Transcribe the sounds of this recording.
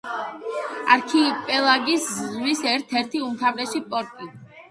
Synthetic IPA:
aɾkʰipʼɛlˠaɡisʁwisɛɾt̪ʰɛɾt̪ʰiumt̪ʰavɾɛʃipʼɔɾt̪ʼi

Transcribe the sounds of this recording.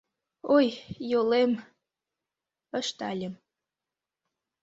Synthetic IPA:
ojjolem | ə̆ʃt̪ɑlʲə̆m

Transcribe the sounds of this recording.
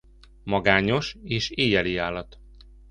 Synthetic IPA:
mɒɡaːɲo̞ʃeːʃeːjɛliaːlːɒt̪

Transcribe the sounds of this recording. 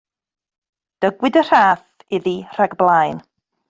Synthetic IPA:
d̥əɡwɪdər̥aːθ | ɪðir̥aɡblˠajn

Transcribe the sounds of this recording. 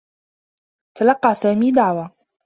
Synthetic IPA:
t̪alɑqːɑsaːmiːd̪aʕwa

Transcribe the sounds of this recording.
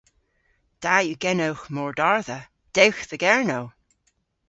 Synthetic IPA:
d̪̥ajuɡɛnəwxmɔɹdaɹðə | d̥ewxðəɡɛɹnow

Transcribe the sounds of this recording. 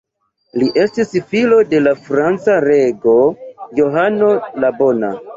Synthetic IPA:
liʔe̞stisfilo̞de̞lafɾant͡saɾe̞ɡo̞jo̞ɦano̞labo̞na̰

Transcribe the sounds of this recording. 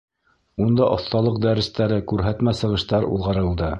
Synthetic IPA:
und̪ɑʔŏθt̪ɑlˠɤq̚d̪æɾɘ̆st̪æɾɘkʉɾɦæt̪mæsɤ̆ʁɤ̆ʃt̪ɑɾṵlˠʁɑɾɤ̆lˠd̪ɤ

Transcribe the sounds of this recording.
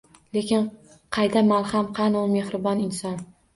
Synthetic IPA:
le̞kʲɪn | qʰɑjd̪amalˠhamqʰɑnʊme̞hɾɪbɒnɪnsɒn

